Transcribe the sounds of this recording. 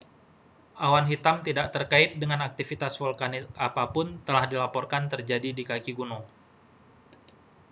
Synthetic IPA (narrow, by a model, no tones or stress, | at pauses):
ʔawanɦit̪amt̪idaʔt̪ərkaɪt̪̚dəŋanak̚t̪ifit̪asfɔlkanɪsapapʊnt̪əlahdilapɔrkant̪ərd͡ʒadidikakiɡunɔ